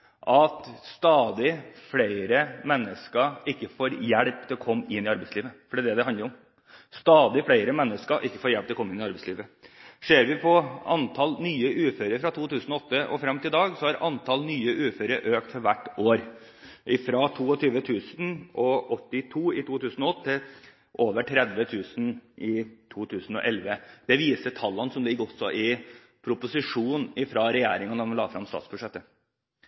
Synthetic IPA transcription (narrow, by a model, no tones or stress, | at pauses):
ʔɑt̪st̪ɑːd̪ɪfɽeɪɾəmɛnːəskəɪkːəfoːɾjæɽp̚t̪ʰɪlɔkʰɔmːɪnːɪɑɾbɛɪsliːʋəfɔɖiːd̪ɛd̪ɛɦɑnləɾʊm | st̪ɑːd̪ɪfɽæɪɾəmɛnːəskəʔɪkːə̥foːɾjæɭp̚t̪ɛɔkɔmːɪnɪɑɾbɛɪslḭːʋəʂeːɾʋɪpʰɔɑnt̪ʰɑlnyːəʔʉːføːɾəɾfɾɑt̪ʰuːt̪ʰʉːsnɔɔt̪ːəʔɔ̰fɾɑmːt̪ʰɪld̪ɑːɡsɔhɑɾɑnt̪ʰɑlnyːəʔʉːføːɾəɾʔøːk̚t̪fɔɾʋæʈːʔoːɾ | ʔɪfɾɑt̪ʰuːɔt̪ʰyːʋət̪ʰʉːsnʔɔʔɔt̪ːɪt̪ʰuːɪt̪ʰuːt̪ʉːsn̩ɔɔt̪ʰːɪl | ʔoːʋəʈʰɾɛd̪ʋət̪ʰʉːsnʔɪt̪ʰuːt̪ʰʉːsn̩ɔ̰ʔɛlʋəd̪̥ɛʋiːsət̪ʰɑlːɑnsɔmlɪɡːɔsːɔʔɪ | pʰɾʊpʊsɪʂuːnɪfɾɑɾɛjæ̰ːɾɪŋɑnəmlɑ̰ːfɾɑ̰mst̪ɑ̰ːt̪sbʉʂɛt̪ːə